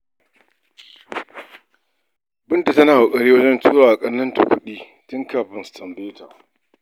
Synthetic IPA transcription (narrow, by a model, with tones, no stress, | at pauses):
bɪ˦nta˨tɐ˦naː˨wʊ˨kʼɐ˨ɽeː˦wɐ˦d͡ʒɛ˦ntuː˦ɾaː˨ʔa˨kʼɐ˦nːɐ˦nta̰˨kʷʊ˦ɗiː˦ | tʊ˦ŋkaː˨ɸɪ˨nstɐ˨mbeː˦tʰa̰ː˨